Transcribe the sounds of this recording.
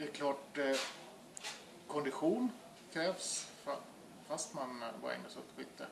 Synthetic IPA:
d̪ɛɛkʰlɑːʈ | kʰɔnd̪ɪɧuːn | kʰɾɛːvsf | fast̪manva̰ɾɛ̰ŋːəsɔp̪ːɧʏːt̪ʰːə

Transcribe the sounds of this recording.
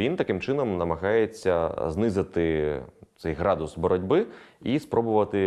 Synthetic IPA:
ʋʲint̪ɐkɪmt͡ʃɪnɔmnɐmɐɣɑjet͡sʲːɐznɪzɪt̪ɪt̪sɛjɦɾɑd̪ʊsbɔɾɔdʲbɪispɾɔbʊʋɐt̪ɪ

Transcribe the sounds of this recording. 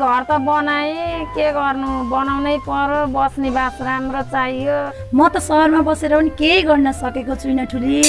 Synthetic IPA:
ɡʱʌrt̪ʌbʌnajkeɡʌrnubʌnawnʌjpʌɾobʌsnibasramrot͡sajjo | mʌt̪ʌsʌɦʌrmabʌseɾʌpʌnikejɡʌrnʌsʌkekot͡sʰuinʌʈʰuli

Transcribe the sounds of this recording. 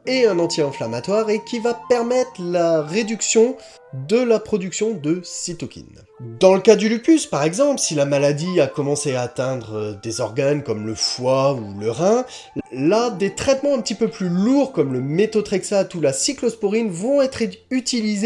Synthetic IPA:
eɛ̃nɑ̃t̪ʰjɛɑ̃flamat̪waʁekʲʰivapɛʁmɛt̪χlaʁed̪yksjɔ̃ | d̪əlapχɔd̪yksjɔ̃d̪əsit̪ɔkʲḭn | d̪ɑ̃ləkad̪ylypyspaʁɛɡzɑ̃pləsilamalad̪iakɔmɑ̃seaːt̪ɛ̃d̪ʁəd̪ezɔʁɡankɔmləfwauləʁɛ̃ | lad̪et̪χɛt̪mɑ̃ɛ̃pət̪ipøplyluʁkɔmləmet̪ot̪χɛksat̪ulasiklɔspoʁinvɔ̃ɛt̪χyt̪ilize

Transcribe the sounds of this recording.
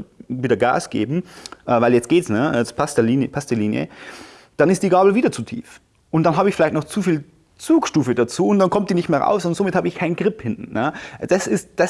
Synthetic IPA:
viːdɐɡa̰ːsɡ̥ḛːbm̩ʔɛːvaɪljɛt͡st̚ɡ̥eːtsnəaspʰastliːnpʰastəliːnjə̰ | d̥anɪstd̥iːɡaːbl̩viːdɐt͡suːtʰḭːf | ʔʊnt̚d̥anɦaːbəɪçfɪlaɪtnɔχt͡suːfiːl | t͡suːkʃtuːfədat͡suːʊntd̥ankʰɔmt̚d̥iːnɪçtmeːɐʁa̰ʊszɔndɐnzoːmɪthaːbəɪçkʰaɪnɡʁɪphɪntn̩nəd̥asɪstd̥a

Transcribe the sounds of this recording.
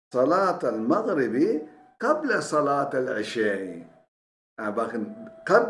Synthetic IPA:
sˤɑlɑːt̪almaɣɾɪbi | qablasˤɑlɑːt̪alʕɪʃaːʕḭ | abaknqa

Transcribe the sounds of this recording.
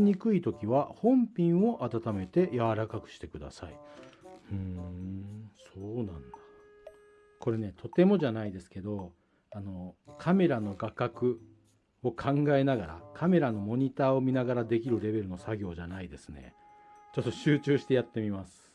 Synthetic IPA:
ɲ̟ikɯ̟it̪o̞kʲiβahõ̞mpʲĩɰ̃o̞ʔat̪at̪ame̞t̪e̞jaβaɾakakɯ̟̥ɕi̥t̪e̞kɯ̟d̪a̰sai | ɯ̃ | soːnãnd̪ḁ | ko̞ɾe̞ne̞t̪ʰo̞t̪e̞mo̞ʑanaid̪e̞sɨ̥ke̞d̪o̞ | ano̞kʰame̞ɾano̞ɡakakɯ̟ | o̞kʰãŋɡae̞naɡaɾa̰kʰame̞ɾano̞mo̞ɲ̟it̪aːo̞mʲinaɡaɾad̪e̞kʲiɾɯ̟ɾe̞be̞ɾɯ̟no̞saɡʲo̞ːʑanaid̪e̞sɨ̥ne̞̰ | t͡ɕo̞t̪ːo̞ɕɨːt͡ɕɨːɕi̥t̪e̞jat̪ːe̞mʲimasɨ̥

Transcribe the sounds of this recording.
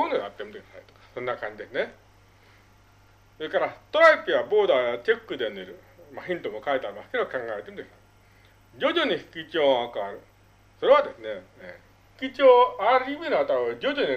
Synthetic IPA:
onoat̪ːemɯt̪oki̥ana̰it̪o̥kḁsõ̞nːakãɲ̟d͡ʑid̪e̞sɨne | soekaɾat̪oɾaipiaboːd̪at͡ɕekːɯd̪eneɾɯ̟ | maçĩnt̪omokaet̪eaɾemasɨ̥ke̞d̪okãŋɡaet̪e̞mɯt̪kena | d͡ʑo̞d͡ʑoɲ̟iɸi̥kʲit͡ɕoːakɯaɾɯ̟ | so̞ɾe̞βad̪e̞sɨne̞e | hi̥kʲit͡ɕoːaɾimenɯat̪oad͡ʑod͡ʑoɲi

